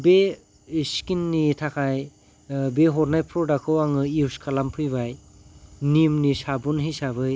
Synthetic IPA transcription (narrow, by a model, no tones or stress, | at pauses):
be | skinːitʰakʰaj | beɦɔɾnajpʰɾɔdakʰɯwaŋɯiwskʰalampʰɯjβaj | nimnisabunɦijsaβɯj